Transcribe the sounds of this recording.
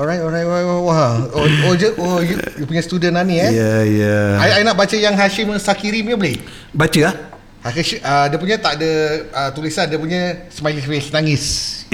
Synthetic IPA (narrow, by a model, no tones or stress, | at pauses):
ɔɾajt̪ɔɾajt̪ajtwawaɦood͡ʒəojujupuɲəst̪udənaniajajaaajnaʔbat͡ʃəjaŋɦaʃiməsakiɾiməbəlɪʔ | bat͡ʃəah | haʃʔədiəpuɲə̃t̪aʔdəət̪ulisandiəpuɲəsmailisesnaŋis